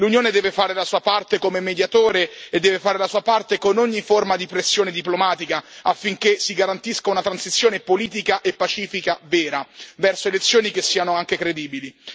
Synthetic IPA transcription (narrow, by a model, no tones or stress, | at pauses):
lunjoːned̪ɛːvefaːɾelasuːapart̪ekomemːed̪jat̪oːɾeed̪ːɛːvefaːɾelasuːapart̪ekonoɲːiformad̪ipɾesːjoːned̪iplomaːt̪ikaafːiŋkesiɡaɾant̪iskaunat̪ɾansit̪sːjoːnepoliːt̪̬ikaʔepːat͡ʃiːfikavɛːɾavɛrsoelet̪sːjoːnik̟esːiːanoaŋkekɾed̪iːbili